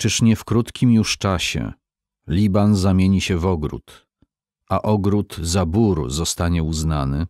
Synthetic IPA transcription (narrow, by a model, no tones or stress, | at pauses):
t͡ʂɘʂɲɛfkɾut̪kʲimjuʂt͡ʂaɕɛ̰ | lʲibanzamʲjeɲiɕɛvɔɡɾṵt̪ | ʔaʔɔɡɾut̪zabuɾzɔst̪aɲɛuznanɘ